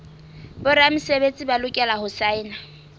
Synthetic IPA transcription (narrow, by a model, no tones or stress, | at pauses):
bʊɾam̩sebet͡sʼibalʊkʼɛlahʊsaɪːna